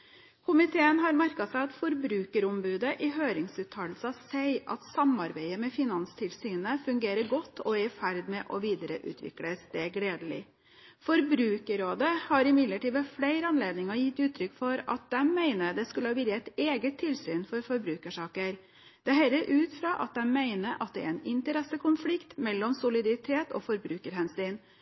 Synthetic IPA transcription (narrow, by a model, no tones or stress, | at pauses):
kʰʊmɪt̪ʰeːənɦɑɾmæɾkɑsæɪɑt̪fɔɾbɾʉːkəɾʊmbʉːd̪əʔɪɦøːɾɪŋsʉːt̪ʰːɑːllsɑsæɪʔɑ̰t̪sɑmɑɾbæɪəmɛfɪnɑnst̪ʰɪlsyːnəfʉŋɡeːɾəɾɡɔt̪ʰːɔɛfæɾd̪mɛʔɔʋiːd̪əɾəʔʉ̰ːt̪ʰʋɪ̰kləst̪eːɡleːd̪əlɪ̰ | fɔɾbɾʉːkəɾoːd̪əhɑɾɪmɪd̪ləʈiːʋ̪əfleɪɾəɑnleːd̪nɪŋəjɪt̪ːʉːt̪ʰɾʏkːfɔɾɑ̰t̪̚d̪ɛmmæɪnəd̪ɛskʉləhɑːʋɪɾɛt̪eːɡət̪ʰːɪlsyːnfɔɾfɔɾbɾʉːkəʂɑːkəɾ | d̪̥ɛɦɛlːəɾʔʉːt̪fɾɑʔɑt̪̚d̪ɛnmæɪnəʔɑt̪̚d̪ɛæ̰ɾɛɪnɪnt̪əɾɛsəkʰʊnflɪkt̪mɛlːɔmsʊlɪd̪ɑɾɪt̪ʰeːt̪ɔ̰fɔɾbɾʉːkəɾhɛnsyːn